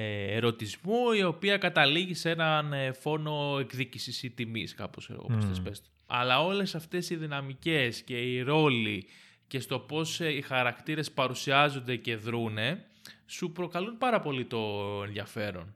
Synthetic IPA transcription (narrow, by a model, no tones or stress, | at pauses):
eɾo̞t̪izmuio̞piɐkɐt̪ɐliʝise̞nɐnfo̞no̞e̞kðicisisit̪imiskɐ̰posksḛo̰ɣo̰posɐspest̪e | ɐ̰lɐo̞le̞sɐft̪e̞siðinɐmice̞sce̞iɾo̞li | ce̞st̪o̞po̞sixɐɾɐkt̪iɾe̞spɐɾusiɐzo̞nd̪e̞ce̞ðɾune̞ | supɾo̞kɐlunpɐɾɐpo̞lit̪o̞e̞nðjɐfe̞ɾo̞̰n